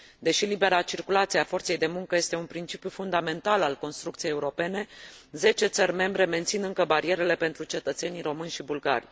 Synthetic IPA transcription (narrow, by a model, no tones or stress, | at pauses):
d̪e̞ʃilibe̞ɾat͡ʃirkulat̪sieafo̞rt̪se̞jd̪e̞muŋkəje̞st̪e̞unpɾint͡ʃipjufund̪ame̞nt̪alalko̞nst̪ɾukt̪sijejeuɾo̞pe̞ne̞ze̞t͡ʃe̞t̪sərʲme̞mbɾe̞me̞nt̪sinɨŋkəbaɾie̞ɾe̞le̞pe̞nt̪ɾut͡ʃe̞t̪ət̪se̞niɾo̞mɨnʲʃibulɡa̰rʲ